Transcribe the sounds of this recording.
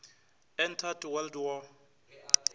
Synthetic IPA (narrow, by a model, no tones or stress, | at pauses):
ɛntʰatwɛldwɔ